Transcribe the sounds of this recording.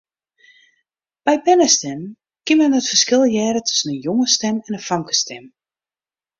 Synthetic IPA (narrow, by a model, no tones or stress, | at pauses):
b̥ɛjbɛnəstɛm | kɪmɛndɔtfərskɪlˠjɛːɾətʰɵ̥sənənjoŋəstɛmɛnəfaŋkə̥stɛm